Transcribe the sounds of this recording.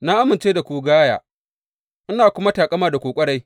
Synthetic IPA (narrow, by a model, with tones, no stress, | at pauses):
na˦ʔa˦mɪ˨nt͡ʃeː˦da˨kʷuː˨ɡaː˦ja̰ː˨ | ʔɪ˦naː˨kʷʊ˦ma˦taː˨kʼɐ˦maː˦da˨kʷoː˨kʷʼɐ˦ɽa˦j